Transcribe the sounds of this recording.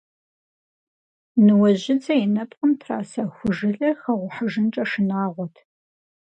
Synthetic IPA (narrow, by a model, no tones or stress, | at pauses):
nɨwɐʑɪt͡sʼɐjɪnɐpʼqəmtʰra̰ːsaxʷʊʒɪɮɐxɐʁʷʊħaʒɨnʈ͡ʂʼɐʂɨnaːʁʷɔtʰ